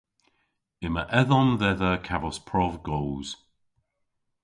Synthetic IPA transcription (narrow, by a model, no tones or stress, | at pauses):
ɪməʔɛðɔnðɛðəkʰavɔspʰɹɔvɡɔwz̥